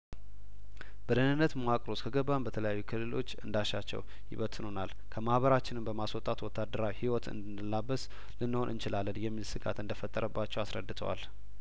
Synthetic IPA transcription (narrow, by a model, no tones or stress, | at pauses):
b̥əd̪ənɨnːət̪moakʼɾo̞skʰəɡəbːambət̪ʰələjajːukʰɨlːɨlo̞̰t͡ʃːɨnd̪aʃat͡ʃːɛ̰w | jɪ̰βət̪ʰɨnonal | kʰəmahβəɾat͡ʃːɪnɨmbəmaswɔt̪ʼat̪wɔt̪ʰːad̪ːəɾawihiwɔt̪ʰɨ̰nd̪ɨnɨlːabəs | lɨnːɨho̞nʔɨ̰nt͡ʃɪlalːənjɛmːilsɨɡa̰t̪ɨnd̪əfət̪ʼːəɾəbːat͡ʃːɛwasɾə̰d̪ːɨt̪ʰə̰wa̰l